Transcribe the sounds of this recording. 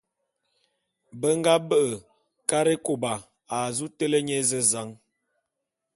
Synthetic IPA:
bə˦ŋ˦ɡa˦bə˦ʔə˨ | ka˦ɾe˦ko˨ba˨ | a˨zu˦tə˦lə˦ɲe˦zə˦za˨˦ŋ

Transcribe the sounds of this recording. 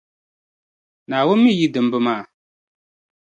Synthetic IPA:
naː˨wʊ˦mːi˦˨ji˦dɨ˨m˦bɨ˦maː˦˨

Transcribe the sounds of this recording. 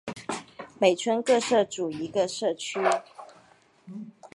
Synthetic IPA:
me˨˩ɪʈ͡ʂʰwə˥nkɤ˥˧ʂɤ˥˩ʈ͡ʂu˨˩i˧˥ɡə˧ʂɤ˥˩t͡ɕʰy˥

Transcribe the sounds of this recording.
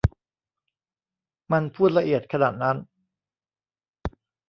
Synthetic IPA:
ma˧npʰuː˥˩t̪̚la˧ʔi˨˩ət̪̚kʰa˧naː˨˩t̪̚na˦˥n

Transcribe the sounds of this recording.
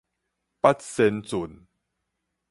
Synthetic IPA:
pa˦˥t̚se˧nt͡su˨˩n

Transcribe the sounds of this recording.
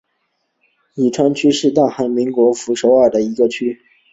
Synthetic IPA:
i˨˩ʈ͡ʂʰwa˥nt͡ɕʰy˥ʂɻ̩˥˧t̪a˥˩ŋxa˧˥nmi˧˥ŋkwɔ˧˥fu˧˥ʂo˧˥ʊa˥˩d̪ə˩i˧˥ɡə˧t͡ɕʰy˥

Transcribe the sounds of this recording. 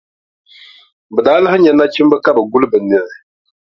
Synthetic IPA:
bɨ˨daː˨˦la˦hɲɛ˨na˦t͡ʃi˦m˦bɨ˦ka˦bɨ˨ɡu˦lɨ˦bɨ˨nɨ˨ɾɪ˨

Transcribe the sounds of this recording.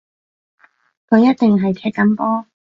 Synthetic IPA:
kʰɵ˨˧ɥjɐ˥t̪̚t̪ɪ˨ŋɦɐ˨jt͡sʰɛː˧t̚kːɐ˨˧˥mpɔː˥

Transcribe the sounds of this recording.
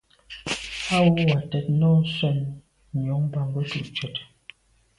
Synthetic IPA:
a˦wu˦wa˨tɛ˨t̚nɔ˦sɛ˦˨n | ɲ˨ɔ˨˦ŋba˨ŋ˨ɡə˦tu˦˨ʔt͡ʃə˨t

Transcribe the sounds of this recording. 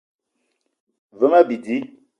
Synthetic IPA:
və˦ma˦bi˨di˨˦

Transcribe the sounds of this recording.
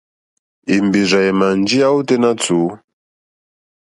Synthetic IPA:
i˨mbi˨za˨i˨ma˨n˦d͡ʒi˦a˦u˦te˦na˦t͡suː˨˦

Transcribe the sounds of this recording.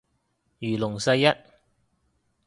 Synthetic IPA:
jyː˨˩lʊ˨˩ŋsɐ˧jːɐ˥t̚

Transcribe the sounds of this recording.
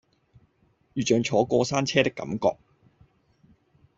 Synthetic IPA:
jyː˨˩t͡ʃœː˨ŋt͡ʃʰɔː˨˥kɔː˧saː˥nt͡sʰɛː˥t̪ɪ˥kːɐ̰˨˥mkɔ̰ː˧k̚

